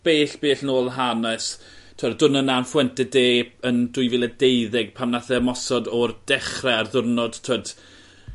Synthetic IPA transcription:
b̥eːɬb̥eːɬnoːlˠɦanas | tʰədʊnənanfwɛntɛdeːəndʊjvɪlˠɛdejðɪɡ̥̚pʰamnaθɛmɔsɔdɔrd̥ɛχrɛarðʊrnɔd̥tʰəd̥

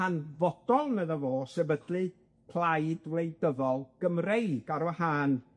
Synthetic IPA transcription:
anvɔd̥ɔlˠnəðəvoːsɛbədlɨ | kʰl̥ˠajdwlejdəvɔlˠɡ̥əmrejɡ̥aɾwəhaːn

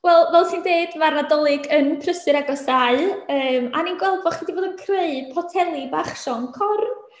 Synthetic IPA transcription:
wɛlˠvɛlˠsʰindeɨd̥marnadɔlˠɪɡənpʰrəsɨɾaɡɔsaɨəːmaninɡwɛlˠdvɔχidivoːdənkʰreɨpʰɔtʰɛlˠibaχʃɔŋkʰɔrn

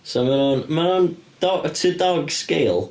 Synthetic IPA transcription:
somanunmanund̥ɔtʰədɔɡskejlˠ

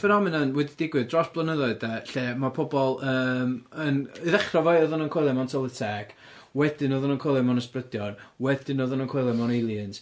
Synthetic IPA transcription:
fɛnɔmɪnənwɛdidɪɡwɨðdrɔsb̥lˠənəðɔɨdaɬeːmapʰɔbɔlˠəːmənɨðɛχrɔvajɔðɔnənkʰɔjlˠɛmɔntʰɔlˠətʰɛɡ̥ | wɛdɪnɔðɔnənkʰɔlˠɛmɔnəsprədjɔnwɛdɪnɔðɔnənkʰwɔjlˠɛmɔnelˠjəns

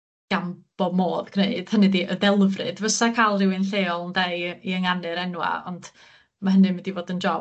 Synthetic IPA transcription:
ɡ̥amb̥ɔmoːðɡ̥ʰneɨd̥hənɨdiʔəðɛlˠvrɨ̰dvəsakʰalˠrɪwɨnɬeːɔlˠndejiəŋanɨɾɛnwa̰ɔ̰nd̥ | maɦənɨmwɛdivoːdənd͡ʒɔ

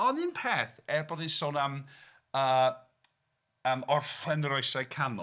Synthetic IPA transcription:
ɔnɨnpʰeːθɛrbɔdinsɔnam | əː | əːmɔrfɛnrɔjsakʰanʊ̰

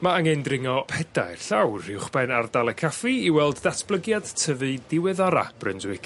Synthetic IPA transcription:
maaŋɛndrɪŋɔpʰɛda̰jrɬawrhɪwχb̥ɛnardalˠɛkʰafiiwɛlˠdːatʰb̥lˠəɡjad̥tʰəvɨdɪwɛðɔɾa̰b̥rɪndwɪkʰ

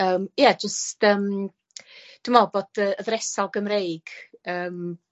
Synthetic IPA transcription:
əːmjad͡ʒəstəːm | d̥umɔboːd̥əəðɾɛsɔlˠɡəmrejɡ̥əːm

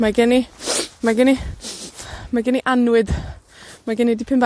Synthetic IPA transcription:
maɡɛnimaɡɪni | maɡɪniʔanwɪd̥ | maɡɪnidipʰɪmb

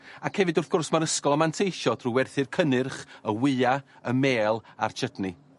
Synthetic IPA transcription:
akhɛvɨdʊrθɡ̥ʊrsmaɾəskɔlˠamantʰejʃɔd̥ruwɛrθɨrkʰənɨrχəwɨːa | əmeːlˠa̰rt͡ʃʰədni

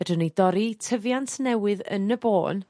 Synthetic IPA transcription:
ɛdɨnedɔɾitʰəvjantʰnɛwɨðə̰nəboːn

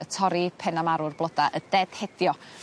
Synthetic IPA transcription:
ətʰɔɾipʰɛnamaɾʊrblˠɔdaʔədɛd̥hɛd̥jɔ

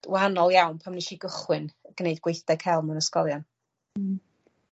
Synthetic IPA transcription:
wahanɔlˠjawnpʰamniʃiɡəχwɨnɡ̥nejdɡ̥wejθd̥ɛkʰɛlˠmənəskɔlˠjan̩

